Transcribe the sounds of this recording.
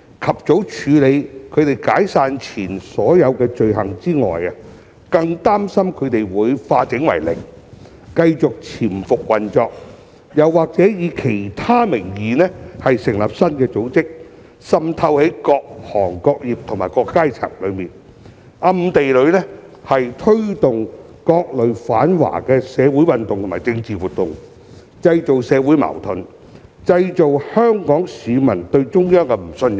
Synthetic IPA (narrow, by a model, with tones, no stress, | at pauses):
kʰɐ˨p̚t͡so˨˥wt͡ʃʰyː˨˧le˨˧jkʰɵ˨˧ɥt̪e˨˩jkaː˨˥jsaː˧nt͡sʰiː˨˩nsɔː˨˥jɐ˨˧wkɛː˧t͡ʃɵ˧ɥhɐ̰˨˩ŋt͡siː˥ŋɔ̰ː˨˩jɐ˧ | kɐ˧ŋt̪aː˥msɐ˥mkʰɵ˨˧ɥt̪e˨jwuː˨˧jfaː˧t͡sɪ˨˥ŋwɐ̰˨˩jlɪ̰˨˩ŋ | kɐ˧jt͡sʊ˨k̚t͡sʰiː˨˩nfʊ˨k̚wɐ˨nt͡ʃɔː˧k̚ | jɐ˨wːaː˨k̚t͡sɛː˨˥jiː˨˧kʰe˨˩jt̪ʰaː˥mɪ˨˩ŋjiː˨nɛː˥hɐ˨jsɪ˨˩ŋlɐ˨p̚sɐ˥nkɛː˧t͡so˨˥wt͡sɪ˥k̚ | sɐ˧mt̪ʰɐ˧whe˨˥jkɔː˧k̚hɔː˨˩ŋkɔː˧k̚jiː˨p̚t̪ʰʊ˨˩ŋmaː˨jkɔː˧kːaː˥jt͡sʰa̰ː˨˩ŋlɵ˨˧miː˨n | ʔɐ˧mt̪e˨jlɵ˨˧ɥlɛ˥ | hɐ˨jt̪ʰɵ˥ɥt̪ʊ˨ŋ | kɔː˧k̚lɵ˨˧ɥfa̰ː˨˥nwa̰ː˨˩kɛː˧sɛː˨˧wuː˨˥jwɐ˨nt̪ʊ˨ŋt̪ʊ˨maː˨˩t͡sɪ˧ŋt͡siː˨wuː˨t̪̚ʊ˨ŋ | t͡sɐ˧jt͡so˨wsɛː˨˧wu˨˥jmɐ̰˨˩wt̪ʰɵ˨n | t͡sɐ˧jt͡so˨whœː˥ŋkɔː˨˥ŋsiː˨˧mɐ̰˨˩nt̪ɵ˧ɥt͡ʃʊ˥ŋjœː˥ŋkɛ˧m̩˨˩sɵ˧n